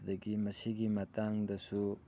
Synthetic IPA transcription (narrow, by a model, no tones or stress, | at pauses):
d̪ɐɡimɐsiɡimɐtaŋdɐsu